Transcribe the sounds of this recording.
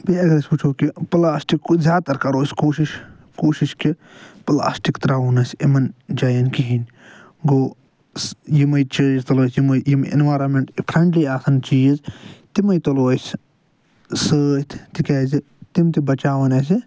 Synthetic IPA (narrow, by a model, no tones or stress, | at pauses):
biɐɡɐɾɐsʲput͡ʃʰoːkiplaːsʈikːzʲaːt̪ɐɾkɐɾoːsʲkoːʃiʃ | koːʃiʃki | pla̰ːsʈikt̪ɾaːunɐsʲimɐnd͡ʒɐːjɐnkiɦinʲ | ɡoː | sjimɐjt͡ʃəːd͡ʒt̪ɐloːsjimɐjimḭnʋaːɾɐnmeɳʈipʰɾɐɳʈliaːsʰɐnt͡ʃiːzt̪imɐjt̪ɐloːsʲ | səːt̪ʰt̪ikeːzi | t̪imt̪ibɐt͡ʃaːʋɐnɐs̬i